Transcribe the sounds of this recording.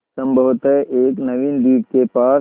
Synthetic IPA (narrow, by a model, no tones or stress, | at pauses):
ɐ̃mbʱəʋt̪ɛʔeːknɐʋind̪iːʈkepaː